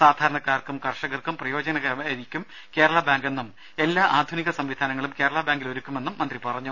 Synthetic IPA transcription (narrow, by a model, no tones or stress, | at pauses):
saːd̪ʱaːɾɐɳɐkːaːrkumkɐrʂɐɣɐrkumprɐjo̞ːd͡ʑɐnɐɣɐeðikʲːum | ke̞ːɾɐɭɐbaːŋɡe̞nːum | e̞lːaːʔaːd̪ʱuniɣɐsɐmʋid̪ʱaːnɐŋːɐɭumke̞ːɾɐɭɐbaːŋɡiloɾukʲːume̞nːumːɐnd̪ripɐrɐɲːu